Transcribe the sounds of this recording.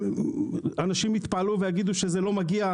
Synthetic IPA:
anaʃimit̪paaluvejaɡid̪uʃezelo̞maɡia

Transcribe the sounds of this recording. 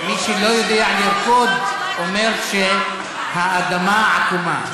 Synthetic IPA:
miʃelo̞jod̪eaʕaniofod̪ | omeʁʃe | haːd̪amaʕakuma

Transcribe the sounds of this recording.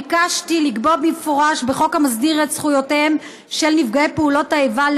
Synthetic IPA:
kaʃtiliɡbobmifoʁaʃbe̞χokamazdiʁetsχujo̞tem | ʃe̞lnifɡaepeulo̞taeval

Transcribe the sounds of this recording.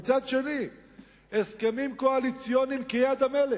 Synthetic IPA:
t͡sad̪ʃeni | eskemimkoalit͡sijo̞nimkejad̪amele

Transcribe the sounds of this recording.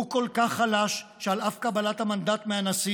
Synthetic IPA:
ukolkaχːalaʃʃealafkabalat̪hamand̪at̪meanasi

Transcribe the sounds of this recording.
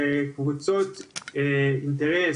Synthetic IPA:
ekuβut͡sot̪eint̪eɾe

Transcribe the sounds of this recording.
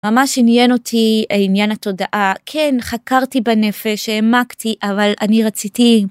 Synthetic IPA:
mamaʃinjenotʰiinjanato̞daʔakʰenχakaʁtibanefeʃemaktiʔavalaniʁat͡siti

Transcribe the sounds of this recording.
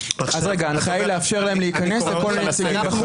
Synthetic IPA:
ʔazʁeɡaanχajajleafʃe̞ʁlae̞mleikɐne̞sleko̞let͡saɡimbɐχu

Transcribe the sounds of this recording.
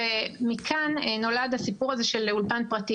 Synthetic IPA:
emikʰanno̞ladhasipuʁaze̞ʃeleulpanpʁat̪i

